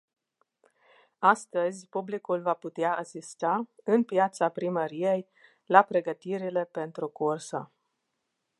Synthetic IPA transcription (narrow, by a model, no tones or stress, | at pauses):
ast̪əzʲpublikulvaput̪eaasist̪aɨnpjat̪sapɾiməɾije̞j | lapɾe̞ɡət̪iɾile̞pe̞nt̪ɾukursə̰